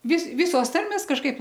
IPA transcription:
ʋʲɪs ˈʋʲɪsoːs ˈtɐrʲmʲeːs kɐʃˈkɐɪp

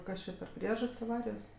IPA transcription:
ˈkɐs t͡ʃʲɛ pʲɛr ˈpʲrʲiɛʒɐsʲtʲsʲ ɐˈʋɑːrʲɪjoːs

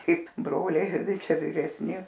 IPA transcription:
ˈkɐɪp ˈbroːlʲɛɪ ˈtɐɪ ˈt͡ʃʲɛ ʋʲɪrʲɛsʲˈnʲɪ

